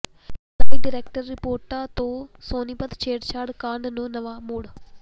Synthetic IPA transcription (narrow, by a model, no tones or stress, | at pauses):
t̪ɐliɖɪɾeːkʈəɾːɪpoːɾʈãːt̪õːsoːnipət̪t͡ʃeːʈt͡ʃʰaːɽkaːɳɖnũnɐʋaːmuːɽ